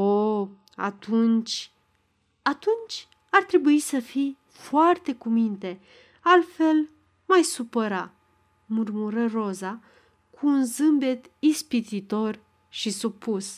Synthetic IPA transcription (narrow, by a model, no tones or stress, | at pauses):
o | a̰t̪ʰunt͡ʃʲ | at̪unt͡ʃʲ | art̪ɾe̞buisəfij | foart̪e̞kumint̪e̞ | alt̪fe̞l | majsupəɾa | murmuɾəro̞za | kʰuːnzɨmbe̞t̪ | ispit̪it̪o̞r | ʃisupus